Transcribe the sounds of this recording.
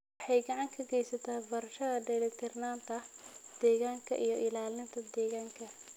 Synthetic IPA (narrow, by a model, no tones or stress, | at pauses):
ħɑjɡɑʕɑŋkʰɐɡɛjsɐt̪ʰaːbɐɾɐʃɐðɐdɛlɛkt̪ʰɛrnaːnt̪ʰɐd̪̥ɛːɣaːŋkʰɐ̰ʔijɞʔɪlaːlɪnt̪ʰɐd̪ɛːɣaːŋkʰɐ